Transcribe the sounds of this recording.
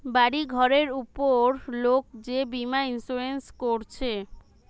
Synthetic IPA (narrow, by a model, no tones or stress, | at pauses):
baɽiɡʱɔɾeɾupoɾlok̚d͡ʑebimainsuɾenskoɾt͡ɕʰe